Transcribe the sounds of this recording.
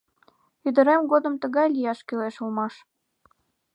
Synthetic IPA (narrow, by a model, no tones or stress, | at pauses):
yd̪ə̆ɾemɡod̪əmt̪əɣɑjlijɑʃkyleʃulmɑʃ